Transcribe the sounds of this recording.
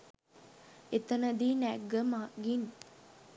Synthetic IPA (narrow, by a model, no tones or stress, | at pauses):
et̪ɐnɐd̪iːnæɡəmaːɡin